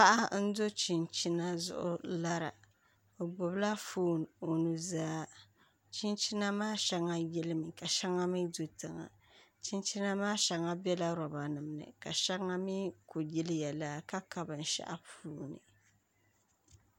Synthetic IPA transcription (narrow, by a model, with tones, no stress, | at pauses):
pa˦ʔa˦n̩˦do˦t͡ʃi˨nt͡ʃi˦na˦zʊ̰˦ʔʊ̰˦la˦ɾa̰˨ | o˨ɡ͡bo˨bla˦fuː˦n˨o˨nu˨zaː˦ | t͡ʃi˦nt͡ʃi˦na˦maː˦ʃa˦ŋːa˦jɛ˦lɨ˦mɨ˨ka˨ʃa˦ŋːa˦mi˦do˨tɨ˨ŋa̰˨ | t͡ʃi˦nt͡ʃi˦na˦maː˦ʃa˨ŋːa˦bɛ˦la˦ɾɔ˨ba˨nɨ˨m˨nɨ̰˨ka˨ʃa˦ŋːa˦mi˦ko˨ji˦lɨ˦jɛ˨la˦ka˦ka˦bɨ˨n̩˨ʃa̰˦ʔa˦puː˦nɨ̰˨